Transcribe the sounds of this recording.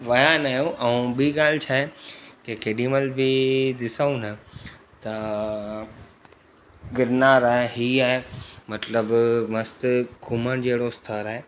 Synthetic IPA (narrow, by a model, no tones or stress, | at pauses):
ʋɐjaːnaːjõʔɐũbiɡaːlt͡ɕʰaːɦekekeɖĩməlbʱid̪ɪsaũnɐ | t̪ɐ | ɡɪɾnaːɾaːɦeɦiaːɦemɐt̪ləbmɐst̪kʰuməɽ̃d͡ʑeːɽost̪ʰəɾaːɦe